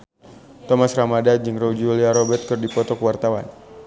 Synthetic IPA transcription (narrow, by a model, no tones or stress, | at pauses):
t̪ɔmasramadad͡ʒɨŋrod͡ʒuliaɾɔbɛt̪̚kɨrdipɔt̪ɔkəwart̪awan